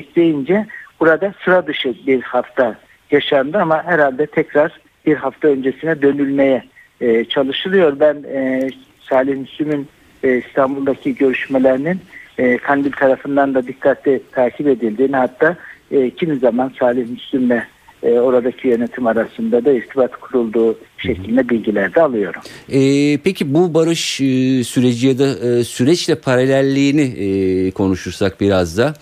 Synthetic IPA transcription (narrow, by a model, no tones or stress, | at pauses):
ɛclʲe̞jind͡ʒɛb̥uɾad̪asɯɾad̪ɯʃɯbiɾhaft̪ʰa | jaʃand̪ɯamaɦæɾhalʲd̪ɛt̪ʰɛcɾaɾ̥ | b̥iɾɦaft̪ʰaø̞nd͡ʒesinɛd̪ø̞nylʲmejɛ | t͡ʃʰalˠɯʃɯlˠɯjo̞ɾbæn | saːlʲihmyslʲymynː | ist̪ʰambulˠd̪acʰiɟø̞ɾyʃmelʲeɾininːkʰanb̪ilʲt̪ʰaɾafɯnd̪and̪ad̪ikʰːat̪ʰlʲɛt̪ʰaːcʰibe̞d̪ilʲd̪iːniɦhat̪ːaːcʰimizamansaːlʲiçmyslʲymlɛ | o̞ɾad̪acʰijø̞net̪ʰimaɾasɯnd̪ad̪aizt̪ʰibat̪kʰuɾulˠd̪uːʃecʰlʲind̪ɛbilʲɟilʲæɾd̪ɛalˠɯjo̞ɾumɛːpʰecʰibubaɾɯʃsyɾe̞d͡ʒijad̪asyɾɛt͡ʃlʲɛpʰaɾalʲælʲːiːnikʰo̞nuʃuɾsak̚biɾazd̪a